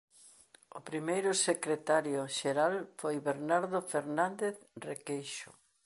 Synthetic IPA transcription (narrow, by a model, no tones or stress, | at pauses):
ʊpɾimejɾʊsekɾet̪aɾjʊʃeɾalfojβeɾnaɾðofeɾnand̪eθrekejʃʊ̰